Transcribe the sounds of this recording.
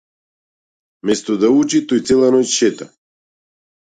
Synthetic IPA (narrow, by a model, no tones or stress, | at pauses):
mɛst̪od̪aut͡ʃit̪ojt̪sɛlˠanɔjʃɛt̪a